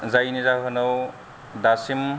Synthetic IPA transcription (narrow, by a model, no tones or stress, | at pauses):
zajnizaɦɐnow | d̪asim